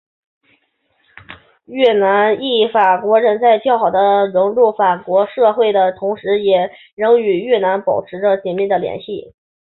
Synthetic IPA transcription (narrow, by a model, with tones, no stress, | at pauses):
ɥɛ˥˩na˧˥ni˥˩fa˨˩kwɔ˧˥ɻə˧˥nt͡sa˥˧ɪt͡ɕjɑ˥˩ʊxɑ˨˩ʊd̪ə˦ɻʊ˧˥ŋlu˥˩fa˨˩kwɔ˧˥ʂɤ˥˧xwe˥˩ɪd̪ə˩t̪ʰʊ˧˥ŋʂɻ̩˧˥jɛ˨˩ | ɻɤ˧˥ŋy˨˩ɥɛ˥˩na˧˥npɑ˨˩ʊʈ͡ʂʰɻ̩˧˥ʈ͡ʂə˧t͡ɕɛ˨˥˩nmi˥˩d̪ə˩ljɛ̰˧˥nɕi˥˩